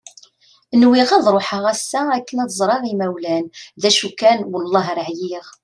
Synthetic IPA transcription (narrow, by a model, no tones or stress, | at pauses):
nwiʁæðɾˤoħaʁæsːæækːənæðzˤɾˤɑʁimæwlænðæʃukːænwəlˤːɑɦɾʕjiʁ